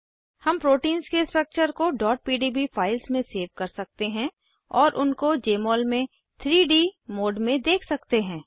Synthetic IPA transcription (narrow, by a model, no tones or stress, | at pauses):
hɐmpɾoːʈiːnzkesʈɾək̚t͡ʃəɾkoɖɔːʈ̚piːɖiːbifʰaːɪlsmẽseːʋkɐɾsɐk̚t̪eɦɛ̃ | ɔːɾʔʊnkod͡ʒeːmɔːlmẽ | t̪ʰɾiːɖiːmoːɖmẽd̪eːkʰsɐkt̪eɦɛ̃ː